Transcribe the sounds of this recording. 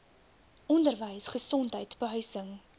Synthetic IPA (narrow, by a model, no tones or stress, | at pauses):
ʔɔndərvəjsχəsɔntɦəjtbəɦœɥsəŋ